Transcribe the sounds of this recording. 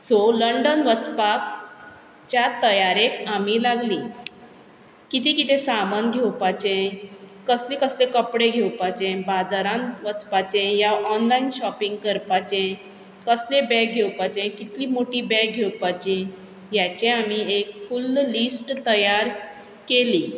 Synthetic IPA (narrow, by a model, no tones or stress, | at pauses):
soləɳɖənʋət͡spa | t͡ɕjat̪əjaɾekamiːlaɡlĩ | kit̪ikit̪esamənɡʱewpat͡ɕẽkəslẽkəslekəpɽeɡʱewpat͡ɕẽbad͡zaɾãnʋət͡spat͡ɕẽjaʔɔnlainɕɔpiŋɡkəɾpat͡ɕẽ | kəslebɛk̚ɡʱewpat͡ɕẽkit̪liːmoʈiːbɛk̚ɡʱewpat͡ɕẽ | jat͡ɕẽamiekfulːisʈt̪əjaɾ | keli